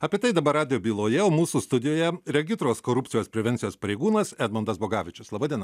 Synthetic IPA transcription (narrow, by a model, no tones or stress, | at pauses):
ɐpʲiɛt̪ɐɪd̪ɐbɐɾɑːd̪ʲɪjoːbʲiːlˠoːjɛoːmuːsuːst̪ʊd̪ʲɪjoːjɛɾʲɛɡʲɪst̪ɾoːskoːɾʊpʲt̪ʲɪjoːspʲɾʲɛʋʲɛnʲsʲɪjoːspɐɾʲɛɪɡuːnɐsɛd̪mɔnd̪ɐsboːɡɑːʋʲɪt͡ʃʲʊslˠɑːbɑd̪ʲiɛnɐ